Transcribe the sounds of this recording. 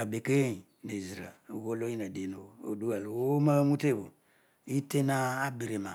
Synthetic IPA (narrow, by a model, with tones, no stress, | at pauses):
a˨be˨ke˦je˦˨ | ne˨zi˨ɾa̰˨ɣo˦lo˦i˦na˨de˨˦no˨o̰˨du˦wa˨lwo˦ma˦mu˦te˦˨bo˨ | i˦te˦na˦a˦bi˨ɾe˨ma˨